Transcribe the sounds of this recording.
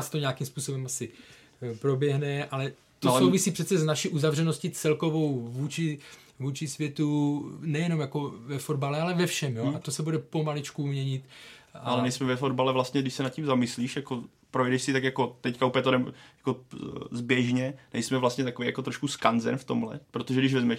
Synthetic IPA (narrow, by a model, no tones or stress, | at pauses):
st̪oɲaːkimspuːso̞bɛmasɪ | pɾo̞bjɛɦnɛʔalɛ | t̪oasowvɪsiːpr̝ɛt̪t͡sɛznaʃiʔuzavr̝ɛnoscɪt͡sɛlko̞vo̞wvuːt͡ʃɪ | vuːt͡ʃɪsvjɛt̪unɛjɛno̞mjako̞vɛfodbalɛalɛvɛfʃɛmjoat̪osɛbudɛpo̞malɪt͡ʃkumɲɛɲɪt̪aalɛnɛjsmɛvɛfod̪balɛvlast̪ɲɛdɪʃsɛnat̪̚cimzamɪsliːʃjako | pɾojdɛʃsɪt̪akjakot̪ɛckaupjɛt̪onɛmjḁkozbjɛʒɲɛnɛjsmɛvlast̪ɲɛt̪akovejakot̪ɾoʃkuskanzɛ̰nft̪omɦlɛ̰pɾot̪oʒɛdɪʃvɛzmɛʃ